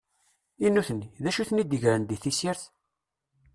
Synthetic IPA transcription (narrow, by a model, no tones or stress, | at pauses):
inːuθənːiðæʃuθnid̪əʝɾənd̪iθisiɾθ